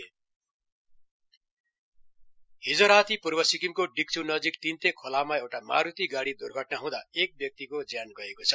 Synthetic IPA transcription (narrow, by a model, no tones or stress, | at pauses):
hid͡zʌɾat̪ʰipurbʌsikimkoɖik̚t͡sʰunʌd͡zikt̪int̪ekʰolamaewʈama̰ɾut̪iɡaɽid̪urɡʱʌʈnaɦũd̪aek̚bjʌk̚t̪ikod͡zjanɡʌekot͡sʰʌ̥